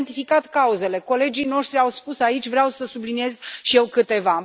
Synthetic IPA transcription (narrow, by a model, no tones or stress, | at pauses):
nt̪ifikat̪kauze̞le̞ko̞le̞d͡ʒijno̞ʃt̪ɾiawspusait͡ʃʲvɾeawsəsublinije̞zʃije̞wkɨt̪e̞va